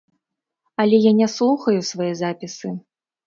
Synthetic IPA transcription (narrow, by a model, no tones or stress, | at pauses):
ɐlʲɛjanʲɛslˠuxɐjusvajɛzapʲisɨ